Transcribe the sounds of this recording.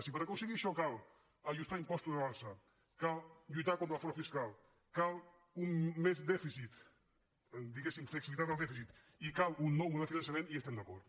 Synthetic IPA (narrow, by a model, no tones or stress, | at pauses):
sipəɾakunseɣiɾʃɔkal | aʒust̪aimpɔst̪uzðeβalˠsa | kalʎujt̪akont̪ɾafoɾafiskal | kal | umːezd̪ɛfisit̪ | d̪iɣesimfleksiβilit̪at̪alˠd̪ɛfisit̪ | ikalunːɔwðefinans̬jamẽniest̪ɛmd̪akɔɾð